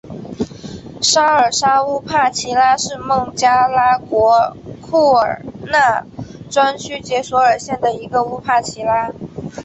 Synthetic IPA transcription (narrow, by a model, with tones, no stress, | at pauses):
ʂa˥ə˞˨˩ʂa˥u˥pʰa˥˩t͡ɕʰi˧˥la˥ʂɻ̩˥˧mɤ˥˩ŋt͡ɕja˥la˥kwɔ˧˥kʰu˥˩ə̰˞˨˩na˥˩ʈ͡ʂwa˥nt͡ɕʰy˥t͡ɕjɛ˧˥swɔ˧˥ə˞˨˩ɕjɛ˥˩nd̪ə˩i˧˥ɡə˧u˥pʰa˥˩t͡ɕʰi˧˥la˥